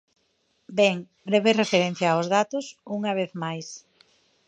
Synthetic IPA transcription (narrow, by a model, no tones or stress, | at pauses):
bɛŋ | bɾeβerefeɾen̟θjaozðat̪ʊsuŋɐβ̞eθmajs